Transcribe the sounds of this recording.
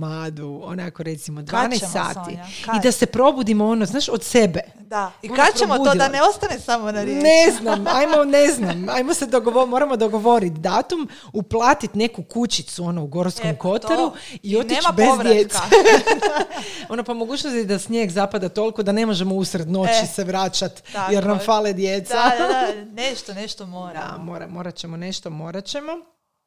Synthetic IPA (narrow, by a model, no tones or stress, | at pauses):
maːd̪uo̰nakoɾe̞t̪simod̪ʋanesa̰ːt̪iid̪ase̞pɾo̞bud̪imoonoznaːʃod̪se̞be̞ | ibud̪neost̪anesamonaneznamajmone̞znamajmosed̪oɡoʋomo̞ɾamo̞d̪o̞ɡo̞ʋo̞ɾit̪d̪aːt̪um | uplˠaːt̪it̪ne̞kukut͡ɕit̪suo̞nouɡo̞ɾskomko̞t̪aɾuio̞t̪it͡ʃbezd̪jett̪se | o̞nopomoɡuːt͡ʃnost̪id̪asɲeɡzapad̪at̪o̞lˠikod̪ane̞mo̞ʒe̞mo̞usɾed̪no̞t͡ʃiseʋɾaːt͡ʃat̪jeɾnamfaled̪jet̪sa | d̪a̰moɾa̰moɾat͡ɕemone̞ʃt̪omo̞ːɾat͡ɕe̞mo̞